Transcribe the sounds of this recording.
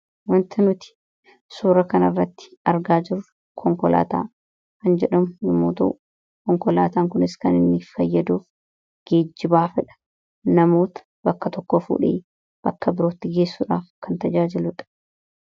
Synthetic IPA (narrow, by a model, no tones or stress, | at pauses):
wɐnt̪ʰɪnʊt̪ɪ̥ | suːɾɐkɐnɐrːɐt̪ːɪ̥ɐɾɡaːd͡ʒɪɾʊ | kʰɔŋkɔlʔa̰ːt̪a̰ː | kɐnd͡ʒɛᶑɐmʊnɪmːoːt̪ɐ̰ʔʊ | kɔŋkɔla̰ːt̪aːŋkʊnɪskɐnɪnːɪfɐjːɐd̪uːf | ɡ̥e̞ːd͡ʒːɪbaːfɛᶑɐ̥ | nɐmo̞ːt̪ɐ̥bɐkːɐt̪ɔkːɔfṵːᶑḛː | b̥ɐkːɐbɪɾoːt̪ːɪɡe̞ːsːuːᶑa̰ːfkɐnt̪ɐd͡ʒaːd͡ʒɪlʊᶑɐ̥